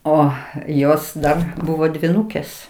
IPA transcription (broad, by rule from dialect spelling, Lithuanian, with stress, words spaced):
ˈoː ˈjoːs ˈdɐr ˈbʊʋoː dʲʋʲiːˈnuːkʲeːs